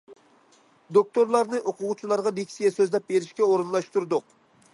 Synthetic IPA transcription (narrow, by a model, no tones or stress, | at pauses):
d̪ok̚t̪oɾlˠɑɾnɨʔoqʰʊʁʊt͡ʃʰilˠɑɾʁɑd̪ekʲʰi̥sijɛsøzlɛp̚beɾɪʃkʲɛoɾɨnlˠɑʃt̪uɾd̪ʊq